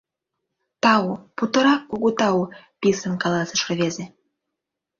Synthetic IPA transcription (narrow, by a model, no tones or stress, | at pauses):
t̪ɑuput̪ɤ̆ɾɑkːoɣot̪ɑupisə̆nkɑlɑsə̆ʃkɤ̆βeze